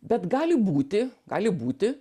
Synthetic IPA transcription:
bʲɛt̪ɡɑːlʲɪbuːt̪ʲɪɡɑːlʲɪbuːt̪ʲɪ

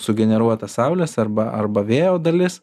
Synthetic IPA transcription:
sʊɡʲɛnʲɛɾuɔt̪ɐsɐˑʊlʲɛsɐɾbɐʔɐ̰ɾbɐʋʲeːjoːd̪ɐlʲɪs

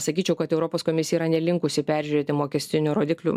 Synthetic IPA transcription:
sɐkʲiːt͡ʃʲɛʊkɐt̪ɛʊɾɔpoːskoːmʲɪsʲjiːɾɐnʲɛlʲɪŋkʊsʲɪpʲæɾʲʒʲʉɾʲeːt̪ʲɪmoːkʲɛsʲt̪ʲɪnʲuːɾoːd̪ʲɪːklʲṵː

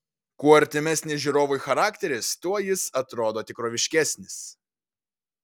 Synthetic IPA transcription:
kuːɐɾʲt̪ʲɪmʲæsʲnʲɪʒʲuɾoːʋʊjxɐɾɑːkʲt̪ʲɛɾʲɪst̪uɔjɪsɐt̪ɾoːd̪oːt̪ʲɪkɾoːʋʲɪʃʲkʲæsʲnʲɪs

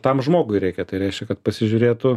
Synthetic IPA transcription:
t̪ɐmʒmoːɡʊɪɾʲɛɪkʲɛt̪ɐɪɾʲɛɪʃʲkʲɛkɐt̪pɐsʲɪʒʲʊɾʲeːt̪ʊ

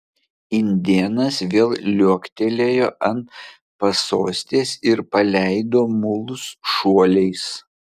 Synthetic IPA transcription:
ɪnʲd̪ʲiɛnɐsʋʲeːlˠlʲuɔkʲt̪ʲelʲeːjoːʔɐn | pɐsoːsʲt̪ʲeːsɪɾpɐlʲæˑɪd̪oːmʊlˠʊsʃuɔlʲɛɪs

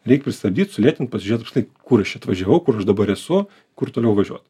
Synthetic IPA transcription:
ɾʲɛɪk̚pʲɾʲɪsʲt̪ɐb̚ʲd̪ʲiːt̪sʊlʲiɛt̪ʲɪnt̪̚pɐsʲɪʒʲɛt̪pkslnɐɪkʊɾɐʃt͡ʃʲɐt̪ʋɐʒʲɛʋɐʊkʊɾɐʃd̪ɐbɐɾɛsʊ | kʊrt̪oːlʲɛʊʋɐʒʲuɔt̪

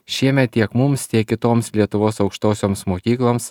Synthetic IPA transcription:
ʃʲiɛmʲɛt̪̚t̪ʲiɛkmʊmst̪ʲiɛkʲkʲɪt̪oːmslʲiɛt̪ʊʋoːsɒʊkʃt̪oːsʲoːmsmoːkʲiːklˠoːms

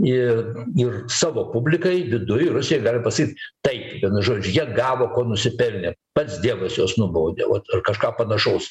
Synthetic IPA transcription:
ɪɪrsɑːʋoːpʊbʲlʲɪkɐɪʋʲɪd̪ʊjrʊsʲɪjɛɪɡɑːlʲɪpɐsɐkʲiːt̪ʲt̪ɐɪpʋʲiɛnʊʒoːd͡ʒʲʊjiɛɡɑːʋoːkoːnʊsʲɪpʲɛlʲnʲɛpɐt̪sd̪ʲiɛʋɐsjoːsnʊboːd̪ʲḛʋɐt̪ɐrkɐʃkɑːpɐnɐʃɐʊs

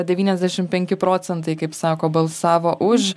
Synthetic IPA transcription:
d̪ʲɛʋʲiːnʲɛzʲd̪ʲæːʃʲɪmpʲɛŋʲkʲɪpɾoːsʲɛnt̪̬ɐɪkɐɪpsɑːkoːbɐlˠsɑːʋoːʔʊʃ

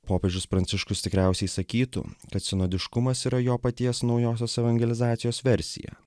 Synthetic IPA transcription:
poːpʲeːd͡ʒʲʊspɾɐnʲt̪ʲɪʃkʊst̪ʲɪkɾʲæˑʊsʲɛɪsɐkʲiːt̪ʊ̰kɐt̪sʲɪnoːd̪ʲɪʃkʊmɐsiːɾɐjoːpɐt̪ʲiɛsnɒʊjoːsʲoːsɛʋɐŋʲɡʲɛlʲɪzɑːt̪ʲɪjoːsʋʲɛɾʲsʲɪ̰jɛ̰

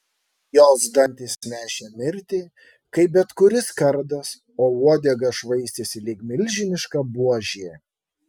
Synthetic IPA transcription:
joːzd̪ɐnʲt̪ʲɪsʲnʲæːʃʲemʲɪɾʲt̪ʲɪ | kɐɪbʲɛt̪kʊɾʲɪskɐɾd̪ɐs | oːʋuɔd̪ʲɛɡɐʃʋɐɪsʲt̪ʲesʲɪlʲɪːkmʲɪlʲʒʲɪnʲɪʃkɐbuɔʒʲeː

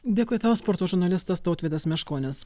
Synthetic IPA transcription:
d̪ʲeːkʊːjt̪ɐspɔɾt̪oːʒʊɾnɐlʲɪst̪ɐst̪ɔʊt̪ʲʋʲeːd̪ʲɐsmʲɛʃkoːnʲɪs

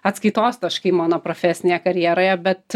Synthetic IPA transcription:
ɐt̪skɐɪt̪oːst̪ɐʃkɐɪmɑːnoːpɾofʲɛːsʲɪnʲeːjɛkɐɾʲjiɛɾoːjɛbʲɛt̪

